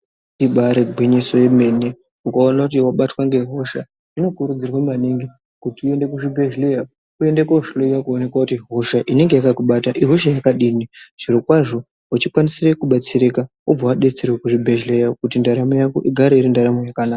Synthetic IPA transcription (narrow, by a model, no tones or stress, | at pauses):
iɓaɾeɡʱwiɲisojeme̞ne | ukaonakutiwaɓatwaŋɡe̞ɦo̞ʃa | ino̞kuɾud͡zirwamaniŋɡi | kutiue̞nde̞kuʐibʱeʒlea | kue̞ndekouʃloijakuone̞kwakutiɦo̞ʃaʔine̞ŋɡe̞jakakuɓataʔiɦoʃ̬ajakaɗiːniʐ̥iɾokwaʐo̞ | ut͡ʃikwanisirekuɓat͡siɾeka | ub͡vawaɗe̞t͡se̞rwekuʐibʱeʒlejakutindaɾamojako̰ʔiɡʱaɾeiɾindaɾamojakanaːka